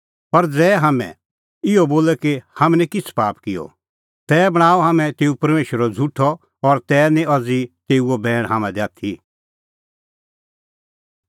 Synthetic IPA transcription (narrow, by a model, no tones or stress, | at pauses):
pɐɾd͡zɛːɦamɛ̰̃ | ɪɔboːlɛkehɐmɛnɛ̃kɪt͡sʰpaːpkɪjɔ̰ | t̪ɛːbɐɽ̃aːɔɦaːmɛ̃t̪eːupɐɾmeːʃəɾɔd͡zʱuʈʰːɔ | ɔɾt̪ɛːnĩʔɐd͡zit̪eːuobɛːɽ̃ɦaːmɛ̃d̪aːt̪ʰi